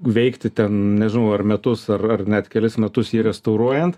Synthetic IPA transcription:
ʋʲɛɪkt̪ʲɪt̪ʲɛnnʲɛʒʲɪnɐʊɐrmʲɛt̪ʊsɐrɐrnʲɛt̪kʲɛlʲɪsmʲɛt̪ʊsjiːɾʲɛst̪ɐʊɾuɔjɛnt̪

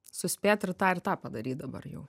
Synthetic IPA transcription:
sʊsʲpʲeːt̪ʲɪɾt̪ɑːɪrt̪ɑːpɐd̪ɐɾʲiːt̪̚d̪ɐbɐ̰rjɛ̰ʊ

